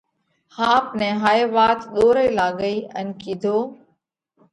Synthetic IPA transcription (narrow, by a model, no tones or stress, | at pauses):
hãːpnẽːɦaːeːʋaːt̪ɗ̪oːɾəiːlaːɡəiːə̰nkiːd̪ʱoː